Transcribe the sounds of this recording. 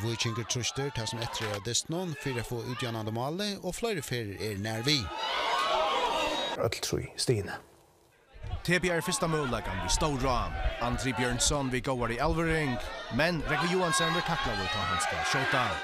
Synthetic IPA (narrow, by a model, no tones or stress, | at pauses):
vʊjt͡ʃɪŋkəɹt̪ʰɾʊʃt̪əɹt̪ʰaːsʊmɛht̪ɾead̪ɪst̪nʊnfiːɾafoːʔʉːt̪janand̪əmaːlɪɔːflˠɔjɾəfeːɹɛɹnɛːɹviː | œ̰t̪l̥t̪ʰɾṵjst̪iːnə | t̪ʰeːbjaɛɹfɪst̪amœːlakanvist̪owɹaːmant̪ɾiːbjœɹɳsɔnviɡowaɹialvəɹɪŋkmɛnɾɛknɪjuːansɔnʋɛʈʰaklavʊjt̪ʰaɦanst̪əʃɔwd̪a